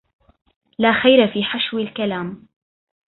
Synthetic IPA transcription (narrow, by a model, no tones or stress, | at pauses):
laːxajɾafiːħaʃwɪlkalaːm